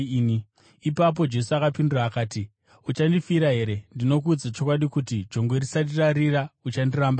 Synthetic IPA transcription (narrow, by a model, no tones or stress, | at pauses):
ni | ipap̬o̞d͡ʒe̞suakapinduraːkaːti | ut͡ʃandifiɾaɦe̞ɾe̞ndino̞kuːd͡zat͡ʃo̞kwaɗikutid͡ʒo̞ŋɡwe̞risat̬iraɾiraut͡ʃandiraːmba